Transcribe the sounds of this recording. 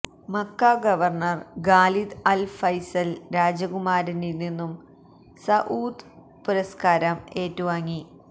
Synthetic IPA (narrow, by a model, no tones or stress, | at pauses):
mɐkːaɡɐʋɐrɳɐrɡaːlid̪ɐlfɐjsɐlɾaːd͡ʑɐɣumaːɾinilninːum | sɐʔuːd̪ | puɾɐskaːɾɐme̞ːtːuʋaːŋːi